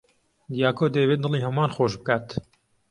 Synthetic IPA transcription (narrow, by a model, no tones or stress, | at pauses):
d̪jaːkoːd̪ɐjβeːt̪̚d̪ɨlˠiːhɐmaːnxoːʃbɨkaːt̪